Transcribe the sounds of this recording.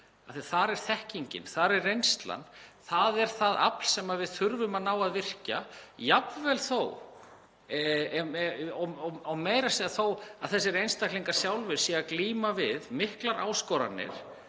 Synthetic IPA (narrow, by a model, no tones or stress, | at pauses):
aθiḁθaɾɛɾ̥θɛhciɲcɪ̰nθaɾɛrːejnst̪la̰nθaðɛɾ̥θaða̰pl̥sɛmaðvɪðθʏɾvʏmanawaðvɪr̥cajapvɛlθo̰w | ɔɔawmeːjɾasiðaθowaðθɛsːɪɾejnst̪akliŋkḁsjawlvʏɾ̥siɛɣakliːmavɪðmɪhklaɾʔaːwskɔɾa̰nːɪ̰ɾ̥